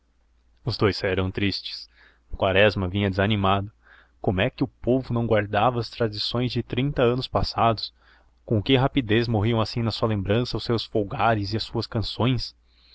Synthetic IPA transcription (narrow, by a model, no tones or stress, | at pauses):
ʊzd̪ojsɛɾɐ̃w̃t̪ɾist͡ʃɪ̥s | kwaɾɛzmɐvĩɲɐd̪ɪzɐnimad̪ʊ | kõmʊɛkɪʊpovʊnɐ̃w̃ɡwaɾd̪avɐːst̪ɾad͡ʒisõj̃zd͡ʒɪt̪ɾĩnt̪ɐɐ̃nʊspasad̪ʊs | kõkɪɦapid̪ezmoɦiɐ̃w̃asĩnɐsuɐlẽmbɾɐ̃sɐʊsːewsfowɡaɾɪzɪɐsuɐskɐ̃sõj̃s